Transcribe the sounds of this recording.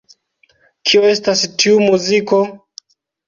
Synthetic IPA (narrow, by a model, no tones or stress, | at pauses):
kʰioe̞stastʰiumuziko̞